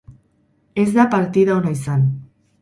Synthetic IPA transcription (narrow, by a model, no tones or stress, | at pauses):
ezðapaɾt̪iðaonajsan